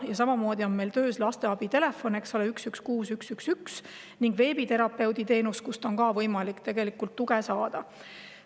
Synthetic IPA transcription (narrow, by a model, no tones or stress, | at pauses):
jɑsɑmɑmo̞ːd̪ʲio̞nme̞jlt̪ø̞ːslɑst̪e̞ɑb̥it̪e̞le̞fo̞nekso̞leyksykskuːsyksyksyks | niŋɡ̥ve̞ːbit̪e̞ɾɑpːˑe̞wd̪it̪e̞ːnust̪̚kust̪o̞nkɑːvɤjmɑlikt̪e̞ɡ̥elikːˑult̪ːuɡ̥esɑːd̪̥ɑ